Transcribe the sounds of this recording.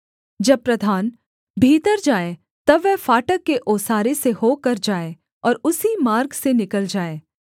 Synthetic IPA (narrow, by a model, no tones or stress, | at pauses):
d͡ʒɐb̚pːɾɐd̪ʱaːn | bʱiːt̪əɾd͡ʒaːe | t̪ɐbːɛɦfaːʈəkːeʔoːsaːɾesehokɐɾd͡ʒaːe | ɔːɾʊsimaːɾɡsenɪkəld͡ʒaːeː